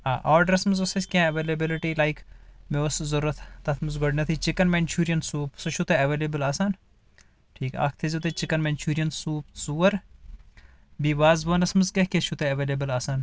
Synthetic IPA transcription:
aːʔaːɾɖɐɾɐsmɐzɐsɐsʲkʲãɐʋeːlɐbilɪʈilajkmeɐszɐɾuːɐt̪ʰt̪ɐt̪ʰmɐzɡɔɖnɐt̪ʰit͡ʃɪkɐnment͡ʃʰuːɾijɐnsuːpsɐʃut̪eɐʋeːlebəlaːsan | ʈʰiːkɐ̰ːkʰt̪ʰezʲit̪et͡ʃɪkɐnment͡ʃuːɾijɐnsuːpsuːɐɾ | biʋaːzbɐːnɐsmɨzkehkeʃut̪ʰeɐʋeːlebəlaːsaːn

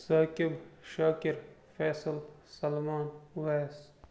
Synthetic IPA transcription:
sɐːkibʃaːkiɾfeːsɨlsɐlmaːnʋeːs

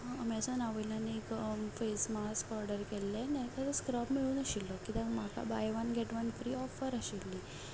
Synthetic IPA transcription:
əmɛsənaʋəlanikfesmaskɔɾɖəɾkɛlːenak̪at̪əskɾapmiɭũːnaɕilːɔkit̪ãmaka̰bajʋanɡɛʈʋənfɾiːɔfəɾaɕilːi

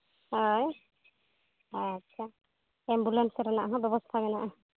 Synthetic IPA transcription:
ɦɔj | atːʃʰa | ɛmbulensɾɛnaʔɦɔ̃bjɔbɔst̪ʰabɛnaʔɦ

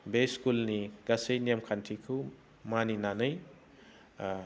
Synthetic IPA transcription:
beskulniɡasejnijamkʰantʰikʰu | maninanɯj

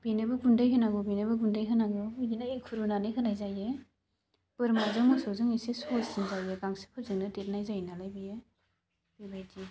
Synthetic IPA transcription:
binɯbɯɡundɯjɦɯnaɡɯbinɯbɯɡundɯjɦɯnaɡɯuɡinaikʰuɾunanɯjɦɯnajzaje | bɯɾmazɯwmɯsɔzɯŋisesɔsziŋzajeɡaŋsɯ̥pʰɯzɯŋnɯtet̚najzajinalajbije | bibajdi

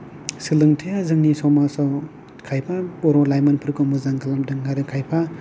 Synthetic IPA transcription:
sɯlɯŋtʰejazɯŋnisɔwmasɔw | kʰajpʰabɔɾɔlajmanpʰɯɾkɔmɯzaŋɡalamdɯŋːaɾɯkʰajpʰa

